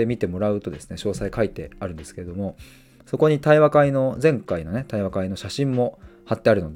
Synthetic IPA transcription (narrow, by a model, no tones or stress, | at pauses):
emʲit̪e̞mo̞ɾaɯ̟t̪o̞d̪e̞sɨ̥ne̞ɕo̞ːsaikait̪e̞aɾɯ̟̃nd̪e̞sɨ̥ke̞ɾe̞d̪o̞mo̞ | so̞ko̞ɲ̟it̪aiβakaino̞zẽ̞ŋkaino̞net̪aiβakaino̞ɕaɕĩmːo̞hat̪ːe̞aɾɯ̟no̞d̪